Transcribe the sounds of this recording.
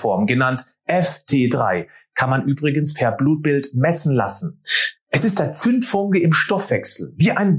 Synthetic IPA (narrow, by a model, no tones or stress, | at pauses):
fɔɐmɡənant | ʔɛftʰeːdʁa̰ɪkʰanmanʔyːbʁɪɡən̩spʰɛɐbluːt̚b̥ɪltmɛsn̩la̰sn̩ʔɛsɪstd̥at͡sʏntfʊŋkəɪmʃtɔfv̥ɛksl̩viːʔaɪn